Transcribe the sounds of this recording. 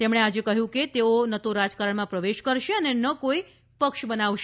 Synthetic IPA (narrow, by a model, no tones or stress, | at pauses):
t̪emɽ̃ead͡ʒekəɦjũket̪eonət̪oɾad͡ʒkaɾəɳmãpɾəʋeʃkəɾʃeənenəkoi | pəkʃbənaʋʃ